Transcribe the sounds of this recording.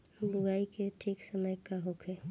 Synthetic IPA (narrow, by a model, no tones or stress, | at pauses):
bʊɡaːikeʈʰiːksəməjkaɦokʰe